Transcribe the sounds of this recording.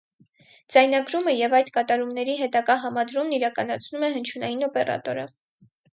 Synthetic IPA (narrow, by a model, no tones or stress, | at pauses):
d͡zɑjnɑɡɾuməjɛvɑjt̪kɑt̪ɑɾumnɛɾiɦɛt̪ɑɡɑɦɑmɑd̪ɾumniɾɑkɑnɑt͡sʰnumɛɦənt͡ʃʰunɑjinɔpɛrɑ̰t̪ɔɾə̰